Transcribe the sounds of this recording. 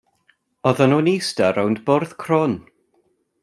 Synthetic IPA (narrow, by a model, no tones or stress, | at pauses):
ɔðənuːnistaɾawndborðkʰr̥ɔn